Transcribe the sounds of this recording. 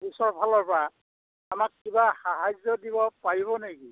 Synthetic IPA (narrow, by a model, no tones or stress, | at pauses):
bisɔɹbʱalɔɹpɔɹa | amakːibaxaɦajzɔdiβɔpaɹiβɔneki